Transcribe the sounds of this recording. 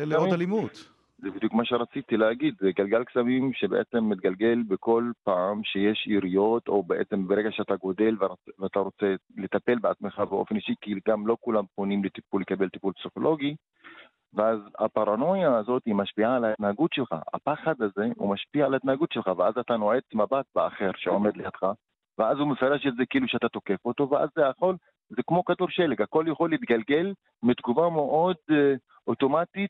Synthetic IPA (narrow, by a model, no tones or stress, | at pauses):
loalimut̪ | zebid̪jukmaʃeʁat͡sit̪ileːɡid̪zeɡalɡalksamimʃebeʔet͡se̞mːit̪̚ɡalɡe̞lbeko̞lpaːmʃe̞je̞ʃiʁijo̞t̪o̞beʔet͡se̞mbeʁeɡaʃeat̪aɡo̞d̪e̞lvveat̪aʁo̞t͡se̞le̞t̪ape̞lbeat͡smeχabeo̞̰fe̞niʃikiɡamlo̞kulamponimlet̪ipulːe̞kabe̞lt̪ipulpsiχo̞lʔo̞ɡi | veʔaza̰paʁano̞jaːzo̞t̪imaʃpialait̪naaɡut̪ʃelχa̰ʔa̰paχad̪aze̞ṵmaʃpialaet̪nahaɡut̪ʃelχaveazat̪anoʕe̞t͡smabat̪̚bea̰χe̞ʁʃeome̞d̪lejat̪χa | veazumefaʁe̞ʃetze̞keiːluʃeat̪at̪o̞ke̞fo̞t̪o̞veʔa̰zːeaχo̞l | zekmo̞kaduʁʃelekako̞ljaχo̞lit̪ɡalɡe̞l | mit̪ɡuvame̞ʔo̞d̪ | ot̪o̞mat̪it̪̚